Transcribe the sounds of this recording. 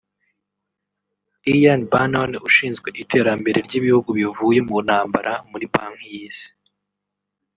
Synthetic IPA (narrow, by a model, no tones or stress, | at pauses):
ijanbanonuʃiːnzɡwe̞ʔitʰe̞ːɾambe̞ɾe̞ɾɟiβihuɡuβivuːje̞munhaːmba̰ɾʔamuɾipaŋhiz